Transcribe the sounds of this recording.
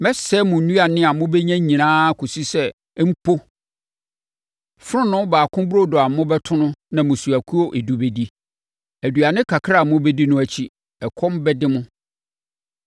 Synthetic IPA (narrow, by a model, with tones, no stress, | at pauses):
mɛ˦sɛ˦mʊ̃˨n̩˨nũ˦a˨nɪ̃˦a˨mʊ̃˦bɛ˦ɲæ̃˦ɲĩ˨nãː˦kʰo˨si˦sɛ˦ | m̩˦pʰo˦ | fɾʊ̃˦nʊ̃˦baː˨kʰʊ̃˦bɾo˦dɔ˨a˨mʊ̃˦bɛ˦tʰʊ̃˦nʊ̃˦nã˨mʊ̃˨su˨æ˨kʰu˦o˦ʔe˨du˨be˨di˦ | æ˨du˨a˨nɪ̃˦kʰa˨kʰɾa˦˨mʊ̃˦bɛ˦di˦nʊ̃˦æ˨t͡ɕʰi˦ | ɛ˨kʰɔ̃˦m˦bɛ˦dɪ˦mʊ̃˦